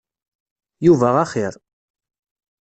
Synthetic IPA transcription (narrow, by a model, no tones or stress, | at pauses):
juvæʁaχiɾ